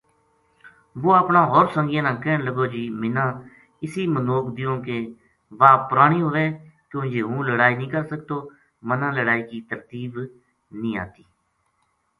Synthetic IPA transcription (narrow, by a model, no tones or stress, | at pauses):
ʋoːaːpɳãːɦɔːɾsə̃ŋɡɪjãːnãːkɛːɳləɡoːd͡ʒiːmɪnãː | ɪsiːmənoːkd̪ɪjõːkeː | ʋaːpəɾaːɳ̃iːɦoːʋeːkjõːd͡ʒeːɦũːləɽaːiːnĩːkəɾsək̚t̪oː | mənãːləɽaːiːkiːt̪əɾt̪iːb | nĩːa̰ːt̪iː